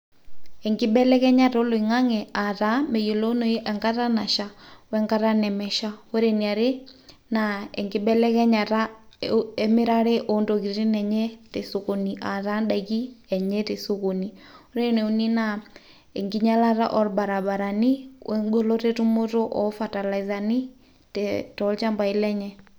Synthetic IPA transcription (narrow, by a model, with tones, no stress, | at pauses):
ɛ˨ŋɡi˦bɛ˦lɛ˦kɛ˦ɲa˦ɾo˦lo˨i˨ŋa˦ŋɛ˨a˨ta˨˦mɛ˨jo˨lo˦no˨˦ʔɛ˨ŋka˦ɾa˦na˨ʃa˨wɛ˦ŋɡa˦ɾa˦nɛ˨mɛ˨ʃa˦wo˦ɾe˨ni˨a˨ɾe˦ | na˨ɛ̰˨ŋɡi˦bɛ˦lɛ˦kɛ˦ɲa˨ɾa˦ | ɛ˦mi˦ɾa˦ɾe˦ʔo˨˦ndo˨ki˨ɾɾi˦nɛ˨ɲɛ˦tɛ˨so˨ko˨ni˨ʔa˨ɾa˦nɗa˨ɣi˦ɛ˨ɲɛ˦te˨so˦ko˨ni˨o˦ɾe˦nɛ˨u˨˦ni˦na˨ | ḛ˨ŋɡi˦ɲa˦la˦ɾa̰˦ʔɔ˦ɾba˨ɾa˨ba˨ɾa˨ni˦wʔɛ˦ɡo˦lo˦ɾe˦tu˦mo˦to˦ʔɔ̰˦fa˨ta˨la˨za˨ni˦ | tɛtɔ˨˦lt͡ʃa˦mba˨i˦lɛ˦ɲɛ˦